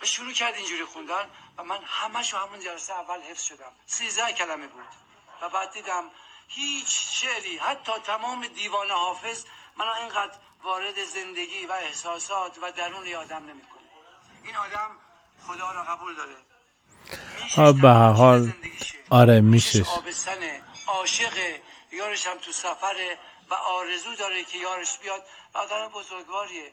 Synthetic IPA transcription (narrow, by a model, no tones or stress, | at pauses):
væʃuɾuːcʰæɾd̪ind͡ʒuːɾixund̪ænvæmænhæmæʃohæmund͡ʒælæseævːælhe̞fsʃod̪æmsiːzd̪æhcʰælæmebuːd̪̥ | væbæɾt̪ːiːd̪æmhiːt͡ʃʰʃeʔɾiːhæt̪ʰːɒːt̪ʰæmɒːmed̪iːvɒːnehɒːfe̞zmænaenɡæd̪ɾ | vɒːɾed̪eze̞nd̪eɡiːvæehsɒːsɒːt̪ʰvæd̪æɾuːneɒːd̪æmnemiːkʰoni | iːnɒːd̪æm | χod̪ɒːɾɒɣæbuːld̪ɒːɾe | behæɾɦɒːlnd̪iɒɾemiʃeːbest̪æneɒːʃeɣe | jɒːɾeʃæmt̪ʰusæfæɾe | væʔɒːɾezuːd̪ɒːɾekʰejɒːɾeʃb̥ijɒd̪̚ɒ̰ːd̪æmebozoɾɡvɒːɾie